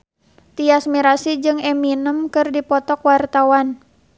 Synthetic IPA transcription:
t̪iasmiɾasid͡ʒɨŋɛminəmkɨrdipɔt̪ɔkwart̪awan

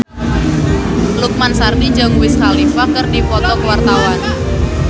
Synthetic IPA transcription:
luk̚mansarnid͡ʒaŋwɪskalifakərdipɔt̪ɔkəwart̪awan

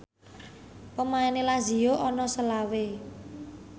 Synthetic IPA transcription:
pəmaɛnelazijoʔɔnɔsəlawe

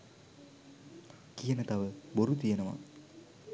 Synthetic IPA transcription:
kijənət̪aʋəboɾut̪̬ijənəʋa̰

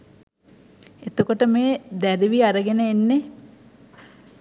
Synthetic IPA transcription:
et̪okoʈəmeːd̪æɾiʋiaɾəɡenəenːe

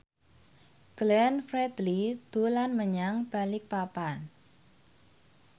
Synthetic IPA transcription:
ɡ̥lɛnfɾɛd̪lid̪̥o̤lanməɲaŋb̥alɪk̚papan

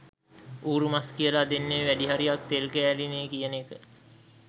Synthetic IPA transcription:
uːɾumaskijəlad̪enːeːʋæɖiɦaɾijak̚t̪elkæælineːkijənekə

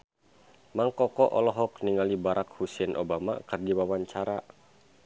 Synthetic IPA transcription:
maŋkɔkɔʔɔlɔɦɔkniŋalibaɾʔak̚husɛnʔobama̰kɨrdiwawaɲt͡ʃaɾa

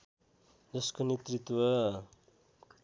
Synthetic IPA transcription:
d͡zʌskonet̪rit̪wʌ

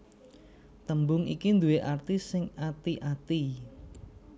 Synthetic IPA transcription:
t̪əmbʊŋḭkind̪uweʔart̪issːɪŋat̪iʔat̪i

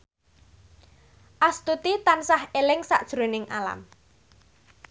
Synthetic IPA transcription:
ʔast̪ut̪it̪ansahelɪŋsa̰ʔd̥ʒ̥ɾonɪŋala̰m

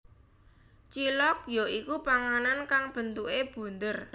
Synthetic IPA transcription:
t͡ʃilɔk̚joikupaŋanankaŋb̥ə̤nt̪uʔeb̥ṳnd̪ər

